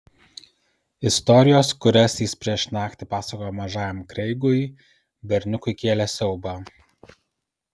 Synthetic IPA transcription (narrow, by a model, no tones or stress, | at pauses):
ɪst̪ɔɾʲɪjoːskʊɾʲɛsjɪspʲɾʲiɛʃnɑːkʲt̪ʲɪpɑːsɐkoːjomɐʒɑːjɛmkɾʲɛɪɡoːj | bʲɛɾʲnʲʊkʊɪkʲeːlʲɛsʲɛʊbɑ